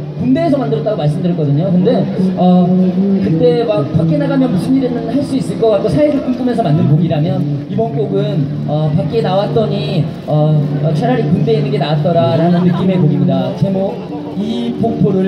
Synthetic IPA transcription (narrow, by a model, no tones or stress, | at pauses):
punde̞ːsʰʌmandɯɾʌt͈aɡomaɭs͈ɯmdɯɾiɭk͈ʌdɯɲokɯnde̞ʌkɯt͈e̞mak̚pak͈enaɡamjʌnmusʰɯniɾemɯnhaɭs͈uis͈ɯɭk͈ʌk͈ak͈osʰaisʰɯk̚k͈uŋp͈ume̞sʰʌmandɯnpoɡiɾamjʌnibʌnk͈oɡɯn | ʌpak͈̚enawat̚t͈ʌɲi | ʌʌt͡ɕʰweɾaɾikunde̞inːɯŋɡe̞nawat͈ʌɾaɾanɯnːɯk͈ime̞koɡimɲidat͡ɕe̞mo | ipoŋtʰoɾɯɭ